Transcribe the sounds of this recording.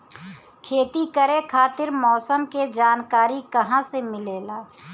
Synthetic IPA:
kʰeːt̪ikəɾekʰaːt̪ɪɾmɔːsəmked͡ʒaːnkaːɾikɐɦãsemɪleːlaː

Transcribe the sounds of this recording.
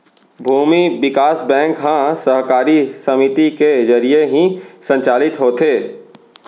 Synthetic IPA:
bʱuːmibɪkaːsbɛ̃ːŋkɦãsəɦkaːɾisɐmɪt̪ikezɐɾijeɦĩsə̃ɲt͡ʃaːlɪt̪ɦoːt̪eː

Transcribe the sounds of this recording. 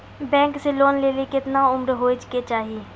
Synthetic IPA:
bɛ̃ːŋkseloːnleːlekɪt̪naʊmɾɦoːid͡ʒket͡ʃaːɦiiː

